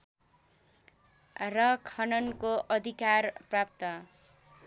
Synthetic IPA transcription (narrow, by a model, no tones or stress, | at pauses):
rʌkʰʌnʌnkoʔʌd̪ʱikarprap̚t̪ʌ